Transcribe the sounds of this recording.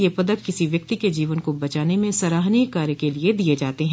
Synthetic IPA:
jepɐd̪ək̚kɪsiʋjɐk̚t̪iked͡ʒiːʋənkobɐt͡ʃaːnemẽsɐɾaːɦniːkaːɾjəkelied̪ied͡ʒaːt̪eɦɛ̃

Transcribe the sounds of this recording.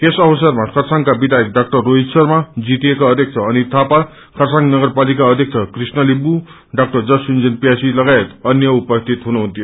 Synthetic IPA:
kesʌbʌsʌrmakʰʌrsaŋkabid̪ajek̚ɖak̚ʈʌrːoɦitsʌrmad͡zit̪iekaʌd̪ʱjʌk̚t͡sʰʌʌnit̪ʰapa | kʰʌrsaŋnʌɡʌrpalikaʌd̪ʱjek̚t͡sʰʌkrisnʌlibu | ɖak̚ʈʌrd͡zʌsund͡zʌnpjasilʌɡaet̪ʌnjʌupʌst̪ʰit̪ɦunuɦunt̪ʰijo

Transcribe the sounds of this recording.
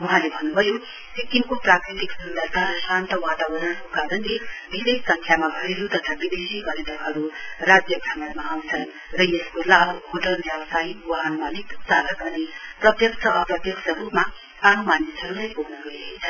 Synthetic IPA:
wʌɦãlebʱʌnːubʱʌjo | sikːiŋkoprakɾit̪iksud̪at̪aɾʌsant̪ʌwat̪awʌɾʌnʌkokaɾʌnlebʱisessʌŋkʰjamabʱʌɾeɾut̪ʌt̪ʰabid̪esibʌɾet̪ʌɦʌɾuɾad͡zjʌbʱamʌnmaaw̃t͡sʰʌn | ɾʌjeskolabɦoʈʌlbjʌwʌsajwʌɦanmaliksalʌkʌniprʌt̪jʌksʰʌʔʌprʌt̪jʌksʌɾupma | anumanisɦʌɾulajpoɦnʌɡʌeet͡sʰʌn

